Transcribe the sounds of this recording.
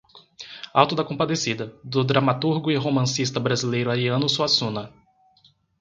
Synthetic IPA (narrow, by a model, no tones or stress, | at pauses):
awt̪ʊd̪ɐkõpad̪esid̪ɐd̪ʊd̪ɾamat̪uɾɡʊɪɦomɐ̃sist̪ɐbɾazilejɾʊaɾiɐ̃nʊsuasũnɐ